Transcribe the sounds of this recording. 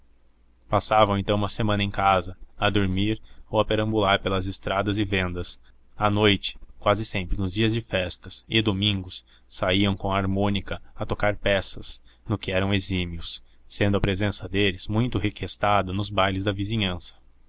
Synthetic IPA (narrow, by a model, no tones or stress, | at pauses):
pasavɐ̃w̃ẽnt̪ɐ̃w̃umɐsemɐ̃nɐẽkazɐɐd̪oɾmiɾowɐpeɾɐ̃bulaɾpelɐzɪst̪ɾad̪ɐzɪvẽnd̪ɐs | ɐnojt͡ʃɪ̥kwazɪsẽmpɾɪnʊzd͡ʒiɐzd͡ʒɪfɛst̪ɐsɪd̪omĩŋɡʊsː | aiɐ̃w̃kõɐaɾmõnikɐɐt̪okaɾpɛsɐsnʊkɪɛɾɐ̃w̃ezimiʊs | sẽnd̪ʊɐpɾezẽsɐd̪elɪz̥mũj̃t̪ʊɦekest̪ad̪ɐnʊzbajlɪzd̪ɐvizĩɲɐ̃sɐ̥